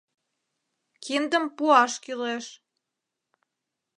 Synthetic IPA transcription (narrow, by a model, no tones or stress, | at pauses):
kind̪ə̆mpuɑʃkyleʃ